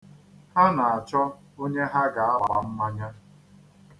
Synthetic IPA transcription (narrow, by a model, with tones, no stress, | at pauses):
ha˦na˨a˨t͡ʃɔ˦ | o˦ɲe˦ɦa˦ɡa˨a˦ɾa˨a̰˨m̩˦ma˦ɲa˦